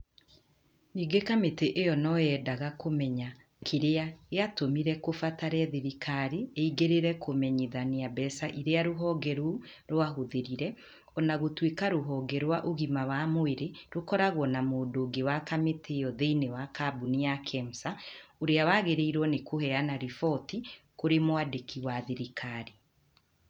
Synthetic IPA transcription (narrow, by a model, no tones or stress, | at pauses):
niːɡekameteʔejɔnɔjɛːdaɣakomɛɲa | kʰeɾeaeatomiɾɛkofataɾɛðeɾikʰaɾeeiɡeɾeɾɛkʰomɛɲiðaneabɛsaʔiɾeaɾoɦɔɡɛɾu | ɾoaɦoðeɾiɾɛ | ɔnaɣotwekaɾoɦɔɡɛɾwaʔoɣimawamoeɾeɾokɔɾaɣwɔnamoːdoɡewakametʰeɔðeinewakabunejakʰɛm̩saoɾeawaɣeɾeiɾwɔnekʰohɛanaɾifɔti | koɾemwadekʰiwaðeɾikʰaɾi